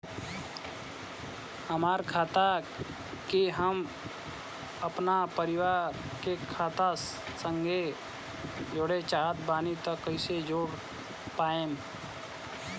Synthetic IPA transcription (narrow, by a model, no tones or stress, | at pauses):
həmaːɾkʰaːt̪a | kiɦəm | əpnapəɾɪwaːɾkekʰaːt̪a | səŋɡʱe | d͡ʒoɽet͡ʃaːət̪baːnit̪əkəɪsed͡ʒoːɾ | paːẽːm